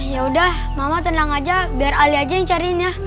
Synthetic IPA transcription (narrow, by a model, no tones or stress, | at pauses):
jaudah | mamat̪ənaŋad͡ʒabiaraliad͡ʒajaŋt͡ʃaɾinja